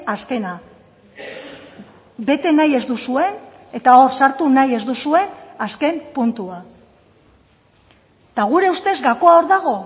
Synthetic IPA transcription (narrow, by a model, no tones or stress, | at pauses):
aske̞na | be̞t̪e̞naje̞zd̪usue̞n | e̞t̪ao̞ɾsaɾt̪unaje̞zd̪usue̞naske̞mpunt̪ua | t̪aɣ̞uɾe̞ust̪e̞zɡako̞ao̞ɾðaɣ̞o̞